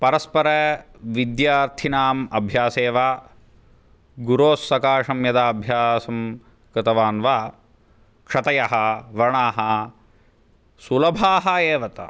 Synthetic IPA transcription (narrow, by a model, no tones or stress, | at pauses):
pɐɾɐspɐɾɐ | ʋid̪jaːɾt̪ʰinaːmɐbʱjaːseːʋaː | ɡuɾoːsːɐkaːʂɐmjɐd̪aːɐbʱjaːsɐm | kɨt̪ɐʋaːnʋaː | kʂɐt̪ɐjɐɦɐ̆ʋɐɳaːɦɐ | sulɐbʱaːɦɐeːʋɐt̪ɐ̰